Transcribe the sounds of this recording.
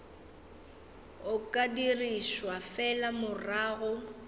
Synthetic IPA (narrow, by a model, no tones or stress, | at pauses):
ʊkʼadiriʃwafɛlamʊraːɣʊ